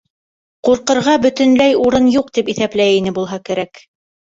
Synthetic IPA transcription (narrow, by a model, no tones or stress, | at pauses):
quɾqɤ̆ɾʁɑbɵ̆t̪ɘ̆nlæjuɾɤnjuqt̪ipiθæplæjinɘbulˠɦɑkæɾæk